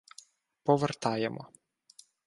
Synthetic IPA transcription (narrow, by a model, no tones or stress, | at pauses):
pɔʋert̪ɑjemʔɔ̰